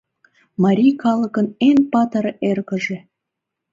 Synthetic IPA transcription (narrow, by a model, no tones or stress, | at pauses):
mɑɾʲijkɑlə̆kə̆nenpɑt̪ɤɾerɣə̆ʒĕ